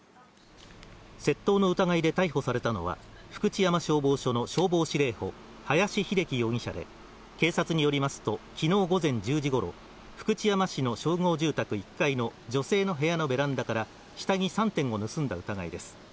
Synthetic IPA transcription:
se̞t̪ːo̞ːno̞ɯ̟t̪aɡaid̪et̪aiho̞saɾe̞t̪ano̞̰β̞a̰ɸɯ̟̥kɯ̟t͡ɕijamaɕo̞ːbo̞ːɕo̞no̞ɕo̞ːbo̞ːɕiɾe̞ːho̞̰ | hajaɕiçiɾe̞kʲijo̞ːɲ̟ʲĩɕa̰d̪e̞̰ | ke̞ːsat͡sɨɲ̟ijo̞ɾʲimasɨ̥t̪o̞kʲino̞ːɡo̞zẽ̞ɲ̟d͡ʑɨːʑiɡo̞ɾo̞̰ | ɸɯ̥kɯ̟t͡ɕijamaɕino̞ɕo̞ːŋo̞ːʑɨːt̪akɯ̟ikːaino̞d͡ʑo̞se̞ːno̞ɦe̞jano̞be̞ɾãnd̪akaɾa | ɕi̥t̪aɲ̟isãnt̪ẽ̞ŋɡo̞nɯ̟sɨ̃nd̪a̰ɯ̟t̪aɡa̰ḭd̪e̞sɨ̥

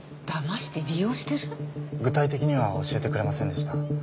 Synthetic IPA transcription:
d̪̥amaɕi̥t̪e̞ɾʲijo̞ːɕi̥t̪e̞ɾɯɡɯ̟t̪ait̪e̞kʲiɲ̟iβao̞̰ɕie̞t̪e̞kɯɾe̞masẽ̞nd̪e̞ɕi̥t̪a

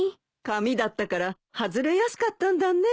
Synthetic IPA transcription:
kamʲid̪at̪ːakaɾa | hazɨɾe̞jasɨ̥kat̪ːãnd̪anːe

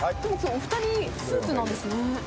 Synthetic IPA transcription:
d̪emosooɸɯ̟t̪aɲ̟ʲisɨːt͡sɨnãnd̪e̞sɨne

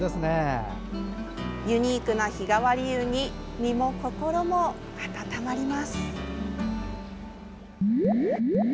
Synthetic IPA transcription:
d̪esɨne | jɯ̟ɲ̟iːkɯ̟naçiɡaβaɾʲijɯːɲ̟imʲimo̞ko̞ko̞ɾo̞mo̞ | kḁt̪at̪amaɾʲimasɨ̥

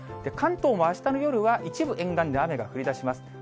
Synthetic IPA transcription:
d̪̥e̞kʰãnt̪o̞ːmo̞aɕi̥t̪anojo̞ɾɯ̟βaʔit͡ɕibɯ̟ʔẽ̞ŋɡãnd̪eame̞ɡaɸɯ̟ɾʲid̪aɕimasɨ̥

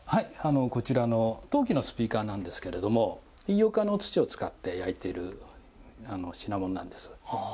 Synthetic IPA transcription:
haiano̞ko̞t͡ɕiɾano̞t̪o̞ːk̬ʲino̞sɨ̥pʲiːkaːnãnd̪e̞sɨ̥ke̞ɾe̞d̪o̞mo̞ijokano̞t͡sɨ̥t͡ɕio̞t͡sɨ̥kat̪ːe̞jait̪e̞iɾɯ̟̰ | ano̞ɕinamo̞nnã̰nd̪e̞sɨ̥

